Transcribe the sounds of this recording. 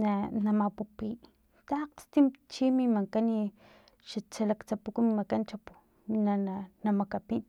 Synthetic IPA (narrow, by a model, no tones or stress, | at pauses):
nanamapupi | t̪aqt͡st̪imt͡ʃimimaŋkani | ʃat͡ʃalakt͡sapukumimakant͡ʃapu̥ | minananamakapin